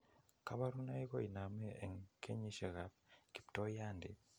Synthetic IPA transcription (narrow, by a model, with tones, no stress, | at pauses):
kaβa˦ɾu˦na˦i˦ko˦i˨na˨mee˨ŋkʰe˦ɲi˦ʃe˨ɣapki˨pto˦ja˦ndi˨